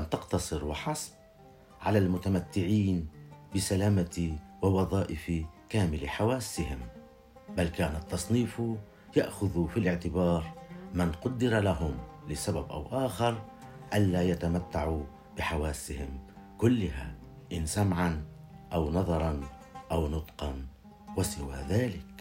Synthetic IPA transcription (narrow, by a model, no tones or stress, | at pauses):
ʔamt̪ɑqt̪ɑsˤɨɾwɪħɑsˤb̚ | ʕalalmʊt̪amat̪ːɪʕiːnbɪsalaːmat̪wɪwɑðˤɑːʔɪfikaːmɪlħawaːsːɪhɪm | balkaːnat̪ːɑsˤniːf | jaʔxʊðufilɪʕt̪ɪbɑːɾˤmɪnqʊd̪ːɪɾalaɦʊmlɪsababʔa̰wʔaːxɪɾˤ | ʔanːaːjat̪amat̪ːaʕu | b̥ɪħawaːsːɪhɪm | kʊlːɪɦa | ʔɪnsamʕan | ʔawnɑðˤɑɾˤɑn | ʔawnʊt̪ˤqɑn | wasɪwa̰ːðaːlɪk